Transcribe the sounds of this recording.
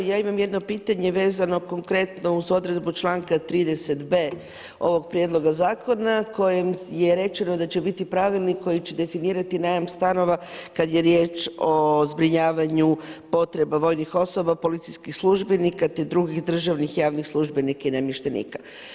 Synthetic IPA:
jaːimamje̞d̪no̞piːt̪aɲe̞ʋe̞ːzano̞ko̞ŋkɾe̞t̪no̞uzo̞d̪ɾe̞d̪but͡ʃlˠaːŋkat̪ɾiːd̪ese̞t̪be̞ː | o̞ʋo̞ɡpɾje̞d̪lˠo̞ɡazaːko̞nako̞je̞mje̞ɾe̞t͡ʃe̞no̞d̪at͡ɕebit̪ipɾaʋilˠniko̞jit͡ɕe̞d̪e̞finiːɾat̪inajamst̪ano̞ʋakad̪je̞ɾje̞ːt͡ʃo̞zbɾiɲaːʋaɲupo̞t̪ɾe̞baʋo̞jnixo̞so̞bapo̞lit̪sijskixslˠuʒbenikat̪e̞d̪ɾuɡixd̪r̩ʒaʋnixjaːʋnixslˠuʒbenikainamjeʃt̪enḭkḁ

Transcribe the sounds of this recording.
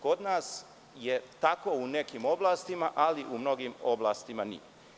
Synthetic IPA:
ko̞d̪naːs | jet̪akounekimo̞blaːst̪imaʔaliʔumno̞ɡimo̞blaːst̪imanḭe

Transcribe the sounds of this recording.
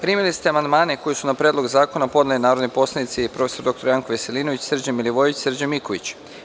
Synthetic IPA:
pɾiːmilist̪eamand̪maːneko̞jesunapɾʲed̪lˠo̞ɡzaːko̞napo̞d̪nelinaːɾod̪nipo̞slʲˠanit̪sipɾo̞feso̞ɾd̪o̞kt̪oɾjaŋkoʋeseliːnoʋit͡ɕsr̩d͡ʑamiliʋo̞jʋit͡ɕsr̩d͡ʑamikoʋit͡ɕ

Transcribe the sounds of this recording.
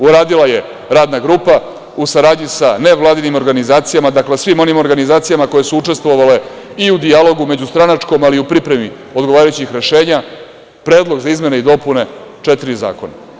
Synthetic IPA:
uɾaːd̪ilaje̞ | ɾaːd̪naɡɾuːpa | usaɾaːd̪ɲisane̞ʋlˠaːd̪inimo̞ɾɡanizaːt̪sijamad̪akle̞sʋimo̞nimo̞ɾɡanizaːt̪sijamako̞je̞suuʈ͡ʂe̞st̪ʋo̞ʋale̞ | iud̪ialo̞ɡume̞d͡ʑust̪ɾanat͡ʂko̞maliupɾipɾe̞mi | o̞d̪ɡo̞ʋaːɾajut͡ɕixɾe̞ʃe̞ːɲa | pɾe̞ːd̪lˠo̞ɡzaizme̞neid̪o̞pune̞t͡ʂet̪iɾiza̰ːko̞na̰

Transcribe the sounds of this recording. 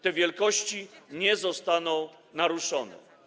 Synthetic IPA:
t̪ɛvʲjɛlkɔɕt͡ɕiɲɛzɔst̪anɔ̃w̃ | naɾuʂɔnɛ̰

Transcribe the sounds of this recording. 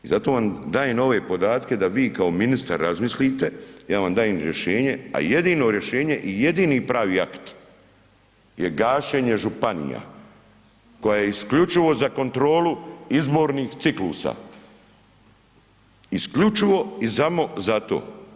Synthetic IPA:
izat̪o̞ːʋamd̪aːjeno̞ʋe̞ːpo̞d̪aːt̪ke̞d̪aʋiːkao̞minist̪a̰ɾːazmislit̪e̞jaːʋamd̪aːjemɾje̞ʃe̞ːɲe̞a̰je̞d̪iːno̞ɾje̞ʃe̞ːɲe̞ʔije̞d̪iːniːpɾaːʋiːakt̪ | jeɡaːʃeɲe̞ʒupanḭja̰ | ko̞jajeiskʎut͡ʃiʋo̞zako̞nt̪ɾo̞ːluizbo̞ːɾniːxt̪sikluːsa̰ː | iskʎut͡ʃiʋo̞isamo̞zat̪o̰ː

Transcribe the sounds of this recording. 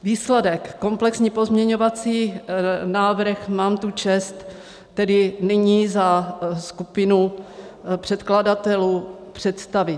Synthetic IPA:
viːslɛdɛkːo̞mplɛksɲipo̞zmɲɛɲovat͡siːnaːvr̩xmaːmt̪ut͡ʃɛst̪ː | ɛdɪnɛɲiːzaskupɪnu | pr̝̥ɛt̪kladat̪ɛlupr̝̥ɛt̪st̪avɪ

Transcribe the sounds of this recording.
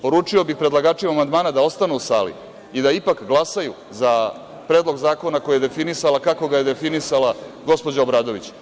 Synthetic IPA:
po̞ɾuːt͡ʂiobixpɾelaɡaːt͡ʃimamand̪maːnad̪ao̞st̪anuusa̰ːlḭ | id̪aipakɡlˠasaju | za | pɾed̪lˠo̞ɡzaːko̞nakojajed̪e̞finisalakako̞ɡaje̞d̪e̞finisalaɡo̞spod͡ʑaobɾaːd̪o̞ʋit͡ɕ

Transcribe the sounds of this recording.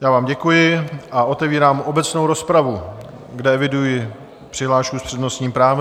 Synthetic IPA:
jaːvaːmɟɛkujɪʔaʔo̞t̪ɛviːɾaːmo̞bɛt͡snowɾo̞spɾavu | ɡdɛɛvɪdujɪ | pr̥ɪɦlaːʃkuspr̥ɛdno̞st̪ɲiːmpɾaːv

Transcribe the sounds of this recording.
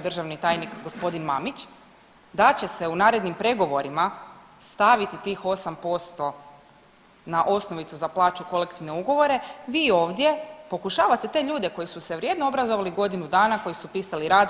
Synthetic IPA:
d̪rʒaʋnit̪aːjnikɡo̞spo̞d̪inmamit͡ɕ | d̪at͡ɕe̞se̞unaːɾe̞d̪nimpɾe̞ɡo̞ʋo̞ɾima | st̪aʋit̪it̪iːxo̞sampo̞st̪o̞ | naʔo̞sno̞ʋit̪suzaplˠaːt͡ʃuko̞le̞kt̪iʋneuɡo̞ʋo̞ɾe̞ʋiːo̞ːʋd̪je̞po̞kuʃaːʋat̪e̞t̪e̞ʎuːd̪e̞ko̞jisuseʋɾʲje̞d̪noo̞bɾazo̞ʋaliɡo̞d̪inud̪aːnako̞jisupiːsaliɾaːd̪

